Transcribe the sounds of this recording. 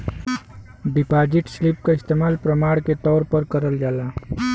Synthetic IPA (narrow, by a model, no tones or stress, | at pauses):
ɖipad͡ʒiʈslipkaɪst̪emaːlpɾəmaːɽket̪ɔːɾpəɾkəɾəld͡ʒaːla